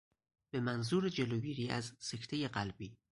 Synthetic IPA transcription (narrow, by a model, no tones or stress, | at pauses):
b̥e̞mænzuːɾed͡ʒeloːɡiːɾiːʔæ̰zse̞kʰt̪ʰejeɢælbiː